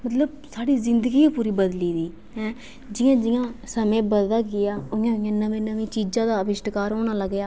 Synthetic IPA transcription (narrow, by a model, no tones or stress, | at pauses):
mət̪ləb̚ | saːɽiːzɪnd̪əɡiːiːpuːɾiːbəd̪liːd̪iː | ɦɛ̃ː | d͡ʒɪjãːd͡ʒɪjãːsəmẽːbəd̪laːɡɪjaːʊãːʊjãːnəʋẽːnəʋẽːt͡ʃiːd͡ʒãːd̪aːbɪʃʈkaːɾɦoːñãːləɡjaː